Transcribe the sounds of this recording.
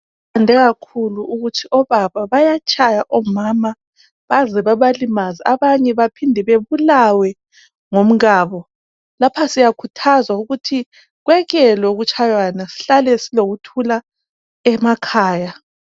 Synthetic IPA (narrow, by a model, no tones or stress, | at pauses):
andʱɛɣakʰuluuɣutʰiɔβaβaβajat͡ʃʼʰajaʔɔmama | βazɛβaβalimaziaβaɲɛβapʰindʱɛβeβulawɛ | ŋom̩ɣaːβɔ | lapʰasijakʰutʰazwauɣutʰi | ɣwɛɣɛlwɛuɣut͡ʃʼʰajwanasi̥ɬalɛsiloɣutʰula | ɛmakʰaːja